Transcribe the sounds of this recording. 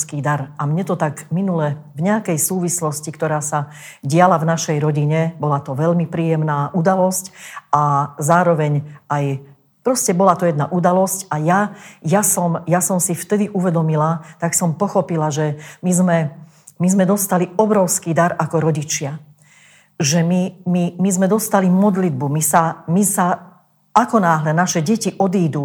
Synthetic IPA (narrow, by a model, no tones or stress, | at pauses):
skiːd̪aɾʔamɲɛt̪ɔt̪aɡminulɛvɲɛakɛjsuːʋislɔscikt̪ɔɾaːsa | ɟɪalavnaʃɛjɾɔɟiɲɛbɔlat̪ɔʋɛʎmipɾiːjɛmnaːʔud̪alɔscazaːɾɔʋɛɲʔaj | pɾɔscɛbɔlat̪ɔjɛd̪na̰ʔud̪alɔscajajasɔmjasɔmsift̪ɛd̪iʔuʋɛd̪ɔmilat̪aksɔmpɔxɔpilaʒɛmizmɛ | mizmɛd̪ɔst̪aliɔbɾɔʊskiːd̪aɾakɔɾɔɟit͡ʃɪa | ʒɛmimimizmɛd̪ɔst̪alimɔd̪lid̪̚bumisamisa | akɔnaːɦlɛnaʃɛɟɛciʔɔd̪iːd̪u